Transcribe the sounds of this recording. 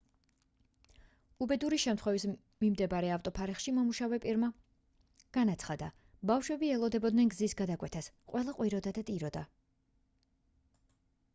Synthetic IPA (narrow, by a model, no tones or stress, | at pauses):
ubɛd̪uɾiʃɛmt̪ʰχwɛvis | mimd̪ɛbaɾɛaft̪ʼɔpʰaɾɛχʃimɔmuʃavɛpʼiɾma | ɡ̥anat̪sʰχad̪a | bafʃwɛbiɛlˠɔd̪ɛbɔd̪nɛnɡzisɡad̪akʼwɛt̪ʰas | qʼwʔɛlˠaqʼwiɾɔd̪ad̪at̪ʼiɾɔd̪a